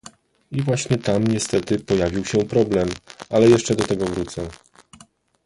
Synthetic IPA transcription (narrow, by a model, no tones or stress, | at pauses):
ivwaɕɲɛt̪amɲɛst̪ɛt̪ɘpɔjavʲiwɕɛpɾɔblɛmalɛjɛʂt͡ʂɛd̪ɔt̪ɛɡɔvɾut̪sɛ